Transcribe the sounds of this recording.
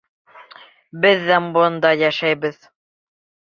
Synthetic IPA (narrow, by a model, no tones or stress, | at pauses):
bɘðːæmbond̪ɑjæʃæjbɘð